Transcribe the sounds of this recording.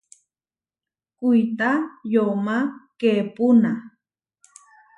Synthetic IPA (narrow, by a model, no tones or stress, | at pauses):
kʊjt̪ajomakepʊna